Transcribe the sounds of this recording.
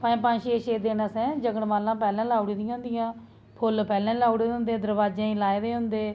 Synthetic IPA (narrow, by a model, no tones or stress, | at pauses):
paːĩːpãːʃeːʃeːd̪eːnaːsɛ̃ːd͡ʒəɡəɽmaːlãːpɛːlãːlaːuɽiːd̪ijãːʊ̃ːnd̪ɪjãː | pʰʊlpɛːlãːlaːuɽeːʊ̃nd̪eːd̪əɾbaːd͡ʒãːĩːlaːed̪eːɦʊnd̪eː